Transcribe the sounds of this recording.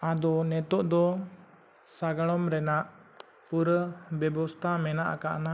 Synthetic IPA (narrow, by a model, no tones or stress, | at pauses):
ad̪ɔnɛt̪ɔʔd̪ɔ | saɡaɭɔmɾɛnaʔ | puɾbɛbɔst̪ʰamɛnaʔa̰kaʔna